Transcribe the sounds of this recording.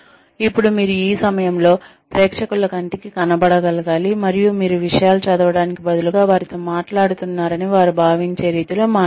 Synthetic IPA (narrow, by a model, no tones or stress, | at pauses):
ipːuɽumiːɾuiːsɐmɐjɐmlo̞ː | pɾeːkʂɐkulɐkɐɳʈikikɐnɐbɐɽɐɡɐlɐɡaːlimɐɾijumiːɾuʋiʂɐjaːlut͡ʃɐd̪ɐʋɐɽaːnikibɐd̪uluɡaːʋaːɾit̪o̞ːmaːʈlaːɽut̪unːaːɾɐniʋaːɾubʱaːʋiɲt͡ʃe̞ːɾiːt̪iloːmaː